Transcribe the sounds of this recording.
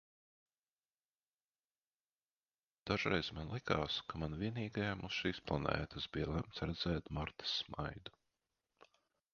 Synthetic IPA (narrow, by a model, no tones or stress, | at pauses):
d̪̥aʒɾɛjzmanlˠikaːskamanviɛniːɡajamusʃiːsplˠanɛ̰ːt̪asbijɐlˠɛmt̪sɾɛd̪zɛːt̪maɾt̪ə̥sma̰jd̪u̥